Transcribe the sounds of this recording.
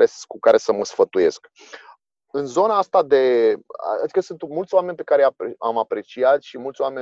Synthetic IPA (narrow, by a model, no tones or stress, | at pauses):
eskukaɾe̞səməsfət̪uje̞sk | ɨnzo̞naast̪ad̪e̞a̰ad̪ikəsunt̪mult̪sʲoame̞nʲpe̞kaɾejapeamapɾe̞t͡ʃiat̪ʃimult̪sʲoame̞